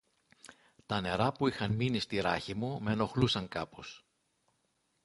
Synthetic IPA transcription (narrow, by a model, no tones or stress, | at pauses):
t̪ɐne̞ɾɐpuixɐnminist̪iɾɐçimume̞no̞xlusɐŋkɐpo̞s